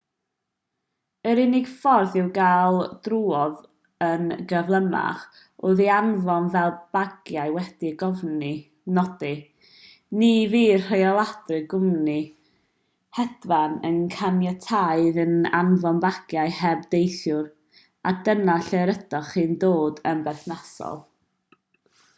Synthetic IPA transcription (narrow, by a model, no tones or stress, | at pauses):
əɾɪnɪɡ̥fɔrθɪwɡaːlˠdruːɔð | ənɡəvlˠəma̰χ | oðianvɔnvɛlˠbaɡ̥jajwɛd̥iɡɔvni | nɔdɨ | niviːr̥ejɔlˠad̥rɨɡʊmni | hɛd̥vanə̰nkʰanjatʰaɨðəna̰nvɔnbaɡ̥jaɨhɛbdejθjʊɾ | adənaɬeɾəd̥ɔχɨːndoːdənbɛθnasɔ̰lˠ